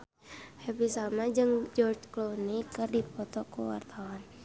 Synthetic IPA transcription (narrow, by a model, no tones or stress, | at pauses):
hɛpisamad͡ʒɨŋd͡ʒɔrt͡ʃklonikɨrdipɔt̪ɔkuwa̰rt̪awan